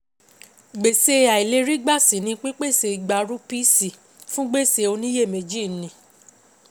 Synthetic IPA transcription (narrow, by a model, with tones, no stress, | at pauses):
ɡ͡be˨se˧a˨i˨le˧˦ɾi˦ɡ͡ba˦˨si˨˦nĩ˧k͡pe˦k͡pe˦˨se˧i˨ɡ͡ba˧ɾu˦pi˦si˨ | fũ˦ɡ͡be˦˨se˧o˧nĩ˦je˦˨me˧d͡ʒi˦˨˦nĩ˨˦